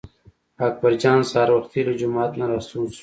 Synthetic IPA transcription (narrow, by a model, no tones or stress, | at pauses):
ak̚bɐɾd͡ʒɑːnsaːɾwɐxt̪iləd͡ʒumɑːt̪laɾasuːs